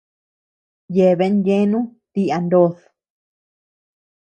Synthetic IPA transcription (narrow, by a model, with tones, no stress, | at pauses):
je˧˨βe˧˦nje˦nũ˦t̪i˦a˧nd̪o˧ð